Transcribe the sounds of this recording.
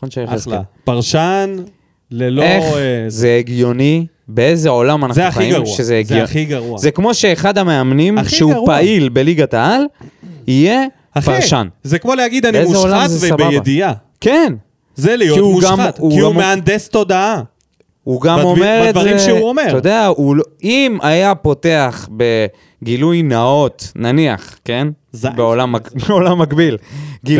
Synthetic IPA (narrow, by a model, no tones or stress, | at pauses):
χonʃeeeapaʁʃan | leleχzeeɡjo̞ni | beezeo̞lamanaeaaiiʃezeezɡjoχiɡaʁuazekmo̞ʃe̞ːχad̪ame̞amnimʃeuʁpailbe̞liɡat̪aalije̞ | apaʁʃanzekmoleaɡid̪aniemzeolamzesabajed̪ia | ken | zelijoiuɡamuiammeand̪est̪o̞d̪aa | uɡamomeʁevʁiʃeuomeod̪eaulimajapo̞te̞aχbe̞ | ɡilujnao̞t̪nania̰χke̞n | beolamabeo̞lamːakbilɡi